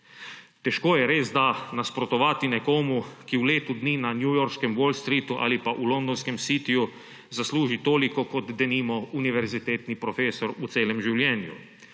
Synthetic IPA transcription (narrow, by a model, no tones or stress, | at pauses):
t̪ɛʃkoːjɛɾeːzd̪anaspɾɔt̪ɔʋaːt̪inɛkoːmukiwleːt̪ud̪niːnanjujɔɾʃkɛmwɔlst̪ɾiːt̪uʔa̰ːlipaʔulɔnd̪ɔnskɛmsiːt̪iju | zasluːʒit̪oːlikɔkɔd̪d̪ɛniːmɔuniʋɛɾzit̪eːt̪nipɾɔfeːsɔɾut̪seːlɛmʒiwljɛːnjṵ